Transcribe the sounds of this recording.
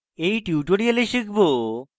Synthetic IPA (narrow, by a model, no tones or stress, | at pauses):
ejʈiwʈoɽijaleʃikbo